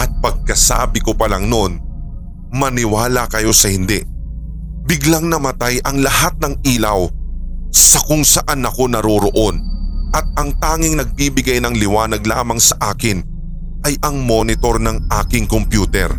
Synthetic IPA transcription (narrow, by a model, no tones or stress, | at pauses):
ʔɐt̪̚pɐɡ̚kɐsa̰ːbɪko̞pɐlaŋno̞n | mɐnɪwaːlɐkɐjo̞sɐhɪnd̪ɛ | bɪɡlɐŋnɐmɐt̪ajʔɐŋlɐhat̪̚nɐŋiːlɐw | sɐkʊŋsɐʔanɐko̞nɐɾoɾoʔo̞nʔɐt̪̚ɐŋt̪aːŋɪŋnɐɡ̚bibɪɡajnɐŋlɪwaːnɐɡlaːmɐŋsɐʔaːkɪn | ʔɐjʔɐŋmo̞nɪt̪o̞ɾnɐŋʔaːkɪŋkompjuːt̪ɛ̰ɾ